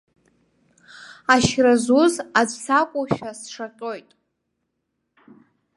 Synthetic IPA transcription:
aʃrazuzad͡zʷʰʼsakʷʼuʃᶣasʂaqʲʼojtʼ

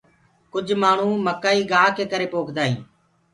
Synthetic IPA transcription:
kʊd͡ʒʱmaːɳ̤ũːməkːaːiːɡaːkeːkəɾeːpoːkʰd̪aːɦḭ̃ː

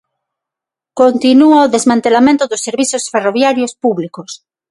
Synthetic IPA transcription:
kont̪inuaoðezmãnt̪elamẽnt̪oðosːeɾβiθosferoβjaɾjospuβlikos

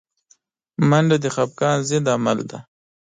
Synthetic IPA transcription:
maɳɖad̪əxap̚kɑːnzɪnd̪ama̰ld̪a̰

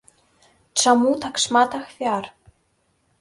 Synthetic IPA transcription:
t͡ʃamuːt̪ʰaksmaːt̪axfjaːɾ̥

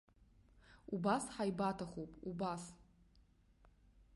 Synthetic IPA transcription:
ubasħajbatʰaχopʼubas

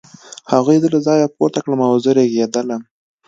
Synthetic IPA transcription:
haɣujd̪əlazɑjapo̰t̪akɽamawzəɾeɡed̪alam

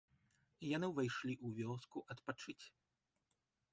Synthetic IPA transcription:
janɨvɨjʂlʲiʔuvʲɔskuʔɐt̪pat͡ʂɨt͡sʲ

